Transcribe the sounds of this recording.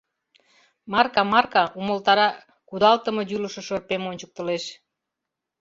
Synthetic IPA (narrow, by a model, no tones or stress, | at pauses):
mɑrkɑmɑrkɑuməlt̪ɑɾɑ | kud̪ɑlt̪ə̆mɤ̆j̪yləʃə̆ʃɤrpemonʲt͡ɕək̚t̪əleʃ